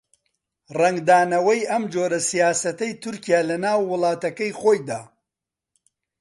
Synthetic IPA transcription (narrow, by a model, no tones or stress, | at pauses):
rɐŋɡd̪aːnɐwɐjʔɐmd͡ʒoːɾɐsijaːsɐt̪ɐjt̪ʰʊɾkijaːlɐnaːwːʊlˠɑːt̪ɐkɐjxoːjd̪aː